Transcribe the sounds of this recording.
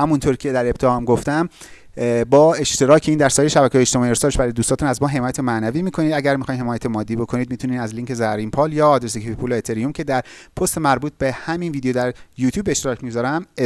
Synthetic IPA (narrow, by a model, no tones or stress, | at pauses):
hæmunt̪ʰoɾcʰe̞d̪æɾe̞p̚t̪ʰehmɡo̞ft̪æm | bɒːe̞ʃt̪e̞ɾɒːcʰeiːnd̪æɾsɒːjejʃæbæcʰehɒjeʃt̪emɒːjiest̪oːɾeʃbæɾɒjed̪ust̪ɒːt̪unæzmɒːɦe̞mɒːjæt̪ʰemænæviːmiːkʰo̞niːd̪æɟæɾmixɒjmhe̞mɒːjæt̪ʰemɒːd̪ːiːbo̞kʰo̞nid̪̚miːt̪ʰuniːnæzliːŋkʰe̞zæɾimpʰɒːljɒːd̪ɾes̬ikʰifipʰuloet̪ʰeɾijumcʰe̞d̪æɾpʰost̪e̞mæɾbuːt̪̚ʰbe̞hæminviːd̪ejod̪æɾjuːt̪ʰjuːbːeʃt̪eɾɒːcʰmiɡzɒːɾæm